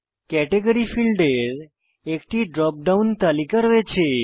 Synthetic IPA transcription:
kɛʈeɡəɾifilɖeɾ | ekʈiɖɾɔp̚ɖaunt̪alikəɾʋet͡ɕʰe

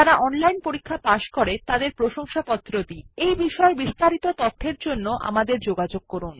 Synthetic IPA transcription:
aɾaʔɔnlajnpoɾikʰːapaʃkoɾet̪ad̪eɾpɾoʃoŋʃapɔt̪ːɾod̪iejbiʃɔebist̪aɾit̪ot̪ɔt̪ʰːeɾd͡ʑonːoʔa̰mad̪eɾd͡ʑoɡad͡ʑoɡ̚kɔɾun

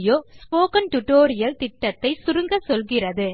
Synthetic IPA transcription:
joːspoːkɐnʈʊʈoːɾɪjɐlt̪ɪʈːɐt̪ːɐɪsʊɾɯŋɡɐsɔlɣɪrɐðɯ

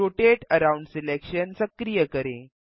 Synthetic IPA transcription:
oʈeʈəɾauɳɖsilekɕənsəkɾijəkəɾḛ̃

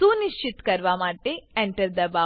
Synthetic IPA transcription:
uːniʃt͡ʃit̪kɐɾʋaːmaːʈːeeɳʈɐɾd̪ɐbaː

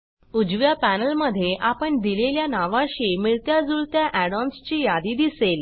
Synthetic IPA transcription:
ud͡ʑʋjapænəlməd̪ʱːjeʔapəɳd̪ileljanaʋãɕiːmiɭt̪jad͡zuɭt̪jaʔæɽɔnst͡ɕiːjad̪iːd̪isel

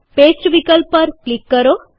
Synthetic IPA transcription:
pesʈʋikəlpːəɾklikːəɾo

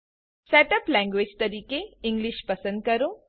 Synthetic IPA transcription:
seːʈɐplɛ̃ːŋɡʋeːd͡ʒt̪ɐɾiːkeɪ̃ŋɡliʃpɐsə̃nd̪̚kɐɾũ

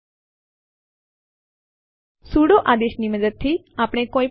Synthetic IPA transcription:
suːɽoːʔaːd̪eːʃniːməd̪əd̪̚t̪ʰiːaːpɳeːkoːiː

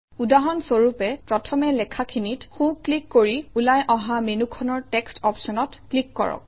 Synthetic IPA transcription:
udaɦɔnsoɹupɛpɹɔtʰɔmɛlɛkʰakʰinitxũklikːoɹiulajʔɔɦamenukʰɔnɔɹtɛkstɔpsɔnɔtklikːɔ̰ɹɔ̰k̚

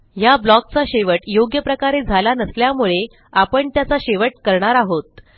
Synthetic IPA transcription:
jablɔk̚t͡saɕeʋəʈjoɡjəpɾəkaɾed͡zʱalanəsljamuɭe | apəɳt̪jat͡saɕeʋəʈ̚kəɾɳaɾaɦot̪̚

